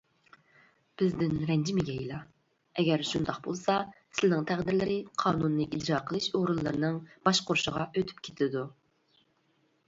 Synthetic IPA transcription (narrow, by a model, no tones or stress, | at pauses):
b̥ɪzd̪ɪnɾɛnd͡ʒimɪɡʲɛjilˠɑ | ɛɡʲɛɾʃund̪ɑqbolˠsɑsɪlɪnɪŋt̪ʰæʁd̪ɪɾlɪɾɪqʰɑːnunːɨʔid͡ʒɾɑːqʰəlˠɨʃoʁɾulˠːɨɾɨnɨŋb̥ɑʃqoɾʃəʁɑøt̪ʰy̥p̚kʲʰe̥t̪ʰɪd̪u